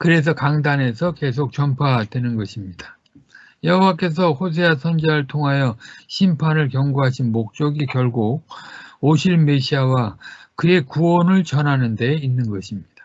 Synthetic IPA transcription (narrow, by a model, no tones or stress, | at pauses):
kɯɾe̞s̬ʰʌkaŋdane̞sʰʌke̞sʰok̚t͡ɕ͈ʌmpʰadwe̞nɯnɡʌɕʰimɲid̥ḁ | jʌɦowak̬͈e̞sʰʌhos̬ʰe̞asʰʌnd͡ʑaɯɭtʰoŋɦajʌɕʰimpʰanɯɭkjʌŋɡuɦaɕʰinmok̚t͡ɕ͈ʌɡikjʌɭɡuk̚oɕʰiɭme̞ɕʰiawakɯe̞kuwʌnɯɭt͡ɕʌnɦanɯnde̞inːɯnɡʌɕʰimɲid̥ḁ